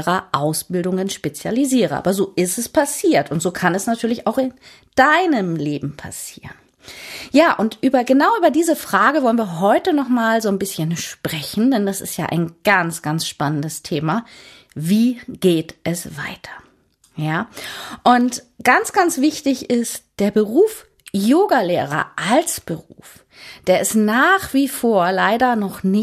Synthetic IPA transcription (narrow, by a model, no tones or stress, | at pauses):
ʁɐʔaʊsb̥ɪldʊŋənʃpet͡sjaliziːʁəʔa̰ːbɐzoːʔɪstɛspʰasiːɐtʊntz̥oːkʰanɛsnatʰyːɐlɪçaʊxɪn | d̥aɪnəmleːbm̩pʰa̰sḭːʁən | jaːʔʊntʔyːbɐɡənaʊʔyːbɐdiːzəfʁ̥aːɡəvɔlənviːɐɦɔʏtənɔχmaːlzoːnbɪsçənʃpʁ̥ɛçn̩dɛndasɪ̰stja̰ːʔa̰ɪnɡ̥ant͡sɡ̥ansʃpanəndəstʰeːma | viːɡ̥eːtʔɛsv̥a̰ɪtʰɐ̥ | jaːʔʊnt | ɡ̥ant͡sɡ̥ant͡sv̥ɪçtɪçɪst̚d̥eːɐbəʁuːf | joːɡaleːʁɐ̰ʔalsb̥əʁṵːf | d̥eːɐɛsnaːχv̥iːfoːɐlaɪdɐnɔχnɪ